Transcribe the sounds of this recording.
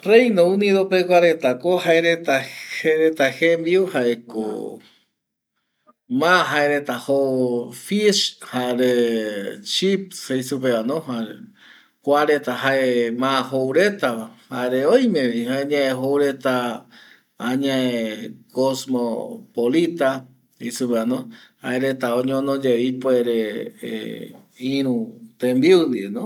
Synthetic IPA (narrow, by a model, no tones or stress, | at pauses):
rejnoũnĩðopekʷaɾet̪akohaeɾet̪aheɾet̪ahembiuhaeko̰ | mãɦaeɾet̪ahofishaɾe | t͡ʃip̚hejsupeanohaɾe | kʷaɾet̪aɦaʔemããɦowɾet̪aβahaeɾeoj̃mẽɾĩhaeɲãeɦowɾet̪aː | ɲãekosmopolit̪a | isupeanõhaeɾet̪aõɲõnõd͡ʒeipoeɾḛ | ĩɾũt̪ẽmbiund̪ienõ